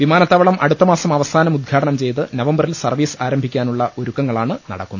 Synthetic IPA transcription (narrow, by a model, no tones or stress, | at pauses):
ʋimaːnɐt̪ːɐʋɐɭɐmʔɐ̰ɽut̪ːɐmaːsɐmɐʋɐsaːnɐmud̪̚ɡʰʱaːɽɐɳɐmt͡ɕe̞jt̪ɨnɐʋɐmbɐrilsɐrʋiːsaːɾɐmbʱikʲːaːnuɭːɐʔo̞ɾukːɐŋːɐɭaːɳɨnɐ̰ɽɐ̰kːunː